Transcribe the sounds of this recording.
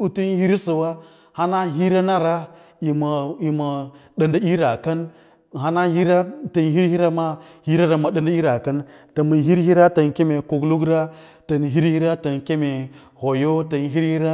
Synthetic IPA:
u˦tu˦nhi˦ɾsə˨wa˦ | ha˦na˦ɦi˦ɾa˦na˦ɾa˦ | i˨m˨i˨ma˨ɗə˨nda˦i˦ɾa˨ka˦n˨ | ɦa˦na˦hi˦ɾa˦tə˨nhi˦ɾhi˦ɾa˦ma˦hi˦ɾa˦ɾa˨ma˨ɗə˨nda˦i˦ɾa˨ka˦ntə˨mə˨ɦi˦ɾhi˦ɾa˦ta˨nke˦me˨ku˨ɡlu˦ɡɾa˦ | tə˨nɦi˦ɾhi˦ɾa˦tə˨nke˦me˨ | ho˨jo˦ta˨nɦi˦ɾhi˦ɾa˦

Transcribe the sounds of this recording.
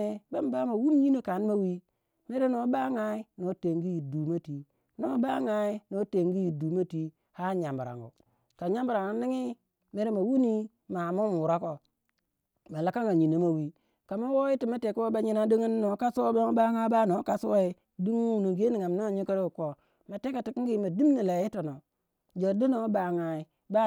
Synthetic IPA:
e˨ba˦m˦ba˦ma˨wu˦m˦ɲi˦no˦ka˨n˦ma˦wi˦ | me˦ɾe˦no˨˦ba˦ŋa˦i˦no˨˦te˨ŋɡi˦ji˨du˨ma˦ti˨ | no˦ba˦ŋa˨i˦no˨˦te˨ŋɡi˦ji˨du˨ma˦ti˦ | ha˦˨ɲa˨mba˨ɾa̰˨ŋɡṵ˨ | ka˨ɲa˦mbu˨ɾa˨ŋu˨ni˦ŋi˦ | me˦ɾe˦ma˨wu˦ni˦ | ma˨mu˦m˨u˨ɾa˦ko˨ | ma˨la˨ka˦ŋa˨ɲi˨no˨ma˨wi˨ | ka˨ma˦wo˦ji˦ti˨ma˦te˨ku˦wo˦ba˦ɲi˨na˦di˦ŋi˦n˦no˨˦ka˦su˦o˦ba˦ŋ˦ba˦ŋa˦ba˦no˨˦ka˦su˦wa˦i˦ | di˦ŋu˦˨no˨ɡe˦ni˨ŋa˨mno˦˨ɲi˦kɾu˨ko˨ | ma˨te˦ka˨ti˨ki˦ɡi˦ma˨di˦m˦ni˨la˨ji˦to˨no˨ | d͡ʒo˨di˦no˦ba˨ŋa˨i˨ | ba˦

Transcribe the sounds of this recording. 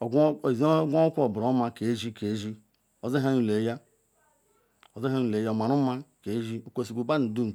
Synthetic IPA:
ɡʷa˦kʷo˨bɾo˨˦ma˦ke˨˦ʒi˦ke˨˦ʒi˦ | o˨ze˦ɦa˦nu˨le˨˦ja˦ | o˨ze˦ɦa˦nu˨le˨˦ja˦o˨ma˨ɾu˦ma˦ke˨˦ʒi˦o˨ko˦˨si˨ɡʷu˨ba˦nu˨du˦n˨

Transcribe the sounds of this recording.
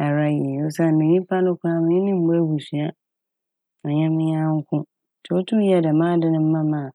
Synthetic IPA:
a˨ɾa˦jo˦sa˦˨nɪ̃˨ɲĩ˦pʰa˦nʊ̃˦kʰʷʊ˦a˦mɪ̃˨˦ɪ̃˦nɪ̃˦m̩˦bɔ˦bu˨sɥa˦ | ɔ˨ɲɛ̃˦mɪ̃˦ɲã˦ŋ̩˦kʰʊ̃˦ | tʰɛ˨ɔ˦tʰʊ̃˦ji˦a˨dɛ˨mãː˦dɪ˦nɪ̃˦m̩˦mã˦mã˨

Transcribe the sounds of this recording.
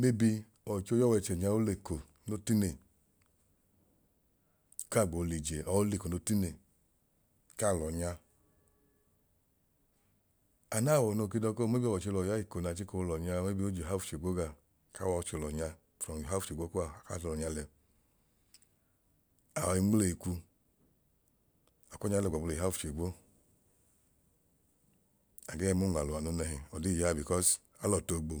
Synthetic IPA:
me˦bi˧ | ɔ˨t͡ʃo˧jɔ˦wɛ˧t͡ʃɛ˨ɲa˧˦o˦le˨ko˨ | no˦ti˦ne˨˦ | ka˦˨ɡ͡bo˨˧li˨d͡ʒe˨ɔ˨˦le˧˨ko˨no˦ti˦ne˨ | ka˦˨lɔ˨ɲa˧ | a˨na˦˨wɔ˨no˧˨ki˧dɔ˧˦ko˦˨m˦e˦bi˦˧wɔ˨t͡ʃe˧lɔ˨ja˦i˦˨ko˨na˨t͡ʃi˦ko˧o˧lɔ˨ɲa˧me˦bi˧˦o˦d͡ʒo˨a˦fu˨t͡ʃe˨ɡo˨˦ɡa˨ | ka˦wɔ˧t͡ʃo˧˨lɔ˨ɲa˧ | fɾɔ˨i˨ɦa˦u˨t͡ʃe˨ɡ͡bo˦ku˦a˨ka˦˨ɔ˧lɔ˨ɲa˧lɛ˧ | a˨wɔ˨i˧ŋ͡mle˨i˨ku˧ | a˨kɔ˦ɲa˧˦lɛ˧˨a˨˧o˨i˨a˦fu̥˨e˨ɡ͡bo˦ | a˨ɡɛ˦˧mo˦ŋ˨a˨lo˨a˨no˧˦nɛ˧˨ɦi˨ɔ˨di˦˨ja˦˨bi˨kɔ˦s | a˨˦lɔ˨to˧˨ɡ͡bo˨

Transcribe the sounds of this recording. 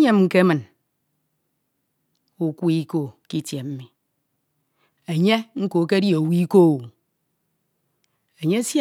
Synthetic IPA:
ɲe˦m˦ŋ̩˨ke˦mɨ˨n | u˨ku˦i˦ko˦˨ki˦tje˨m̩˦mi˨ | e˨ɲe˦ŋ̩˦ko˨˦ke˦djo˨wi˦ko˦˨u˨ | e˨ɲe˦s

